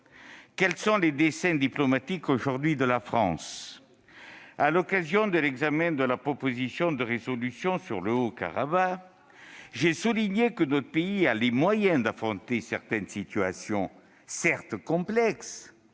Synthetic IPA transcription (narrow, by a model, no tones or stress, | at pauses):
kɛlsɔ̃led̪esɛ̃d̪iplɔmat̪ikoʒuʁd̪ɥid̪əlafχɑ̰̃s | alɔkazjɔ̃d̪əlɛɡzamɛ̃d̪əlapχɔpozisjɔ̃d̪əʁezɔlysjɔ̃syʁləoka̰ʁa̰ba | ʒɛsuliɲekənɔt̪χəpeialemwajɛ̃d̪afχɔ̃nt̪esɛʁt̪ɛnsit̪yasjɔ̃ | sɛʁt̪kɔ̃plɛks